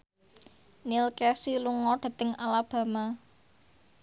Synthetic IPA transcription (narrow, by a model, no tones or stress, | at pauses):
nilkɛsiluŋɔɖ̥a̤t̪əŋalab̥a̤ma